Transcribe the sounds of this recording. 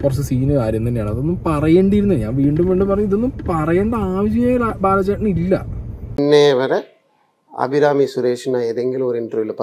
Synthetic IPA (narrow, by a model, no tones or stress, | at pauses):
kurɐt͡ɕːesiːnɨkaːɾjɐmt̪̬ɐnːejaːɳɨɐðo̞nːumpɐrɐjeːɳɖiɾunːɐɨɲa̰ːnʋiːɳɖumʋeːɳɖɨpɐrɐɲːuiðo̞nːumpɐrɐjeːɳɖɐaːʋɐɕ̬jɐjaːjilbaːlɐt͡ɕːeʈːɳilːɐ̰nːeʋɐɾe | ɐ̰bʱiɾaːmisuɾeːʂɐnaːjeðeŋɡiloɾiɳʈruʋilpɐ